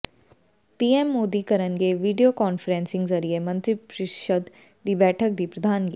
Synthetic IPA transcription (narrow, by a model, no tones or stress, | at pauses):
piːemːoːd̪ikɐɾənkeʋiːɖijokɔːnfɾẽːnsɪ̃ŋɡzɐɾiemɐ̃nt̪ɾipɾɪʃəd̪ | d̪iːbɛːʈʰək̚d̪iːpɾɐd̪ʱaːnɡḭː